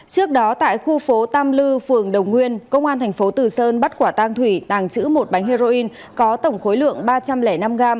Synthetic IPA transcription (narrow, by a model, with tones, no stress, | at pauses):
t͡ɕɨ˦˥ək̚ɗɔ˨˦t̪a̰ː˧˨jxu˧fo˨˦t̪aː˧mlɨ˧fɨ˨˩əŋɗə˨˩wŋ͡mŋwi˧ənkə˧wŋ͡mʔaː˧nt̪ʰɛ˨˩ŋ̟fo˨˦t̪ɨ˨˩səː˧nɓə˦˥t̚kwaː˧˩t̪aː˧ŋt̪ʰwi˧˩t̪aː˨˩ŋt͡ɕɨ̰˧˥mo˨˩t̚ɓa˨˦jŋɦi˧zo˧ʔi˧n | kɔ˨˦t̪ə˧˩wŋ͡mxo˨˦jlɨ̰˧˨əŋɓaː˧t͡ɕa˧mlɛ˧˩na˧mɣaː˧m